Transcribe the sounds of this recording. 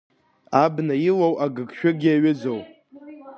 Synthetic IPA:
abnajilowʔaɡɨɡʃᶣaɡʲiaɥɪd͡zow

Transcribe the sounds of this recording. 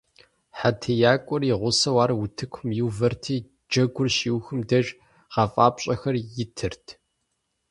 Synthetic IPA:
ħatʰɐjaːkʷʼʊriʁʷʊsɐwaːɾɐwʊtʰɨkʷʰʊmjɪwvɐrtʰiː | d͡ʒɐɡʷʊrʃiːwxɨmdɐʒʼ | ʁɐfʼaːpʼɕʼɐxɐrjɪtʰɨrtʰ

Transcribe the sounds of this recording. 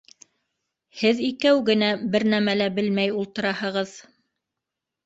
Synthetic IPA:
hɘðikæwɡɘ̆næbɘɾnæmælæbɘlmæjulˠt̪ɤ̆ɾɑhɤ̆ʁɤð

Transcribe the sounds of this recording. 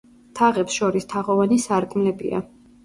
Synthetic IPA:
t̪ʰaʁɛpsʃɔɾist̪ʰaʁɔvanisaɾkʼmlɛbḭa̰

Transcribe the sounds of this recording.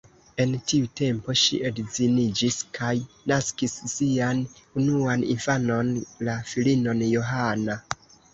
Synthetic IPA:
e̞ntiute̞mpo̞ʃḭʔedzinid͡ʒiskʰaj | naskisːianunuanḭnfano̞nlafilino̞njo̞ɦana

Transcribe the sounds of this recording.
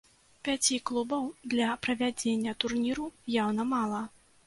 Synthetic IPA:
pʲat͡sʲiklˠubɐwd̪lʲɐpɾɐvʲad͡zʲenʲːɐt̪urnʲiɾujawnɐmalˠɐ

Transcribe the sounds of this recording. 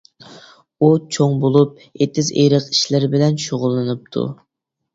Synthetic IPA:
ut͡ʃʰoŋbolˠup̚ | et̪ʰɪzḛjɾəqi̥ʃlɪɾbɪlɛnʃoʁʊlˠːɨnɨp̚t̪ʰṵ

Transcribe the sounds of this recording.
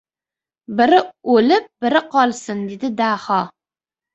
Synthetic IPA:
bɪɾɪolɪp̚b̥ɪɾɨqɒlsɨnd̪ed̪ɪd̪aːχɑ

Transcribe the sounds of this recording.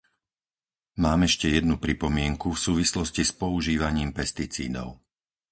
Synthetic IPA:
maːmɛʃcɛjɛd̪nupɾipɔmɪɛŋkufsuːʋislɔscispɔuʒiːʋaɲiːmpɛst̪it͡sḭːd̪ɔ̰ʊ

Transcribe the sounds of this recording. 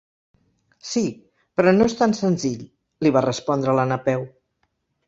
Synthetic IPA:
si | pɾɔnoest̪ansənziʎ | liβarəspɔnd̪ɾələnəpɛw

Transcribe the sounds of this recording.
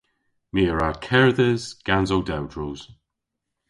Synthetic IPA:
miːɹakʰɛɹðəzɡ̥anzowdawdɹuːz̥

